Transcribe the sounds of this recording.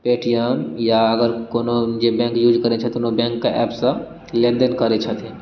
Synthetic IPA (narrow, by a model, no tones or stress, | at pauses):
peːʈijamjaɐɡəɾkoːnod͡ʒebɛ̃ːŋkjuːd͡ʒkɐɾet͡ʃʰɐt̪ʊnõbɛ̃ːŋkːaʔɛːpsã | lẽːnɖ̪ənkɐɾet͡ʃʰɐt̪ʰe